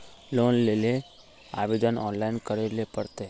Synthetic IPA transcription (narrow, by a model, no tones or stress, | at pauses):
loːnleːle | a̰ʋed̪ənɔ̰ːnlaɪnkəɾelepəɽt̪e